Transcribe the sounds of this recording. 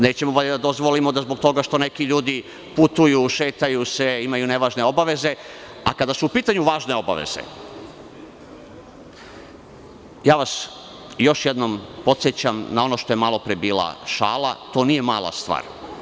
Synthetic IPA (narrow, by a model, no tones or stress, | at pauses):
ne̞ːt͡ɕemoʋoʎed̪ad̪ozʋolimo̞d̪azbok̚t̪o̞ɡaʃt̪o̞ne̞kiʎuːd̪i | put̪ujuʃe̞ːt̪ajuseimajune̞ʋaːʒne̞o̞baʋe̞ze̞ | a̰kad̪asuːpiːt̪aɲuʋaːʒne̞o̞ba̰ʋḛz̥ḛ | jaːʋas | jo̞ʃjed̪no̞mpo̞t̪sjet͡ɕamnao̞no̞ʃt̪o̞je̞malˠo̞pɾebiːla̰ʃa̰ːla̰t̪o̞ːnije̞maːlˠa̰st̪ʋa̰ːɾ